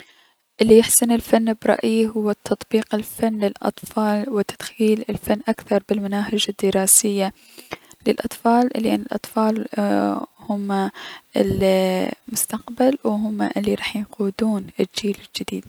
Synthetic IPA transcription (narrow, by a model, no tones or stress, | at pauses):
ʔɪlːijɪħsɪnɪlfanːbɾˤɑ̰ʔjiɦʊwːat̪ʰːɑt̪ˤbiːqɪlfanːlɪlʔɑ̰t̪ˤfɑːlwɪt̪ad̪̥xiːlɪlfanːʔakθɑɾˤbɪlmanaːhɪd͡ʒad̪ːɪɾˤɑːsɪjːa | lɪlʔɑt̪ˤfɑːlʔlːɪʔanːɪlʔɑt̪ˤfɑːl | hʊmːaʔɪ̰l | mʊst̪aqbalwɦʊmːa̰ʔɪlːiɾˤɑːħjɪquːd̪uːnʔɪd͡ʒiːlɪld͡ʒɪd̪iːd̪